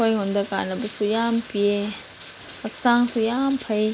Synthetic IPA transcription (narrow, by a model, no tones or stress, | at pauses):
ojŋɔndɐka̰nɐbɐsujampie | ɐk̚saŋsujampʰɐj